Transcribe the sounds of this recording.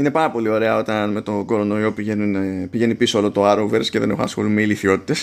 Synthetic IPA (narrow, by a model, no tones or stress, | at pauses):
ine̞pɐɾɐpo̞lio̞ɾe̞ɐo̞t̪ɐnme̞t̪o̞ɡo̞ɾo̞no̞io̞pienunpiʝe̞nipisoolot̪o̞ɐɾoveɾsceðe̞ne̞xo̰nɐ̰sxo̞limeiliθio̞t̪i̥t̪e̞s